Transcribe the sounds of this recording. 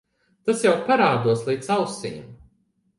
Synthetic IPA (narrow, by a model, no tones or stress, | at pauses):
t̪asjawpaɾaːd̪uɔslˠiːt̪sawsijm